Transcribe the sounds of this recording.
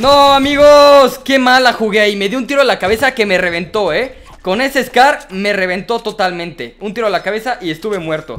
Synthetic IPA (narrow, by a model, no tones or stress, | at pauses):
noamiɣoske̞malaxuɣejme̞ðjount̪iɾo̞lakaβe̞sake̞mere̞β̞ent̪o̞e̞ | ko̞ne̞se̞ːskaɾme̞re̞β̞e̞nt̪o̞t̪o̞t̪almẽ̞nt̪e̞unt̪iɾo̞elakaβe̞saʔie̞st̪uβe̞mwe̞ɾt̪o̞̰